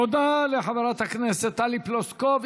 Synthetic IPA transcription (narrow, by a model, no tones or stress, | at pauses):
od̪aleħavaɾat̪hakneset̪ːaliploskov